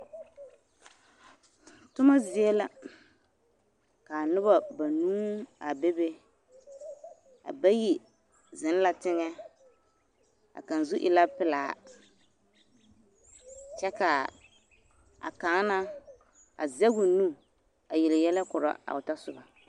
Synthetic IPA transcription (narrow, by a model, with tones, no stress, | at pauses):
tʊ˦ma˦zɪ˦ɛ˦la˨ | ka˨nʊ˦ba˨ba˨nuː˦a˨be˦be˦ | a̰˨ba˦ji˦ | zɪ˨n˦la˦tɪ˦ŋɛ˦ | a̰˨ka˨n˨zʊ˦ʔɪ̰˨la˦pɪ˦laː˨ | t͡ʃɛ˦ka˨ | a̰˨ka˨˦na˦ | a̰˨zɛ˦ɡʊ˨nu˦ | a˨jɪ˨lɪ˨jɛ˦lɛ˦kʊ˨ɾa̰˦a̰˨ʊ˨ta˦sʊ˦ba˨